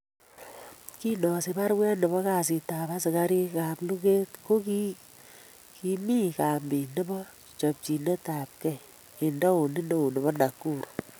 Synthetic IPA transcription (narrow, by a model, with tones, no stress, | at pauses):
ki˦nɔ˨se˨pa˦ɾwɛ˦nɔ˨bɔ˦ka˨s̬i˨taː˨pa˦sɪ˨ka˦ɾi˦ka˨plu˦ke˦tko˦ki˦ | ki˨mi˦ka˨mbi˨ne˦bɔ˦ | t͡ʃɔ˨p̚t͡ʃi˨ne˦ta˨p̚kɛ˦˨j | e˨ndɔ˦u˨ni˦no˦u˨nɔ˨bɔ˦na˨kːu˦˨ɾ